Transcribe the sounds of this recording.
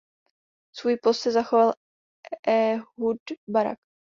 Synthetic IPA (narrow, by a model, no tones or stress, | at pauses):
svuːjpost̪sɛzaxoval | ɛɦudbaɾa̰k